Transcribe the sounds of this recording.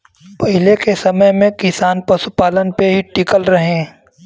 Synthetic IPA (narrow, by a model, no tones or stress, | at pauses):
pəɦɪlekesɐməjmẽkɪsaːnpɐsupaːlənpeɦiʈɪkəlɾɐɦẽː